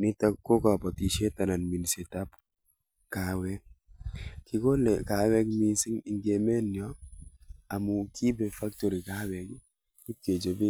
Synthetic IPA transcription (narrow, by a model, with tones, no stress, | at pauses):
ni˦ta˦ko˦ka˨pɔ˨ti˨ʃe˦ta˨na˨nmi˨nsi˨ta˦p | ka˨wɛ˦ | kɪ˨ko˦lɛ˨ka˨wɛ˦kmi˦si˦ŋi˨ŋɡe˨me˦njɔ˦ | a˨mu˨ki˦bɛ˨fa˦k̚to˨ɾi˨ka˦wɛ˨ɡ | ku˦ke˨d͡ʒo˨bi˦